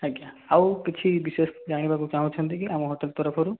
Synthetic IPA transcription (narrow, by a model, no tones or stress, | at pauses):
ɦaɡa | awkit͡ʃʰibisesd͡ʒaɽ̃ibakut͡ʃaɦũt͡ʃʰɔnt̪ikiamɔɦɔʈelt̪ɔɾɔpʰɔɾu